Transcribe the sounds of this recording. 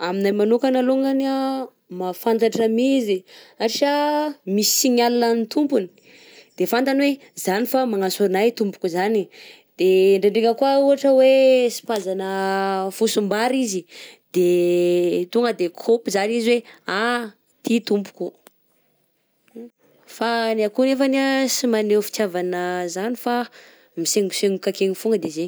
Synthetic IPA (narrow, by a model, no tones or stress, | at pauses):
aminajmanukanaluŋɡana | mafant̪aʈ͡ʂamiziaɾʃamisi̥iɲalunanit̪umpuni̥ | d̪̥efant̪anwe | zanifamaŋasuɾnajt̪umpu̥kuzani | d̪̥eɳɖ͡ʐeɳɖ͡ʐiŋəkuauɦaʈ͡ʂəwesi̥pazanəfusumbaɾizid̪̥e | t̪uŋɡəd̪ekʰopizaniziwea | t̪it̪umpu̥ku | fanakunefanasimanefi̥t̪javanəzanifa | miseŋɡuseŋukakeŋufuŋɡəd̪eze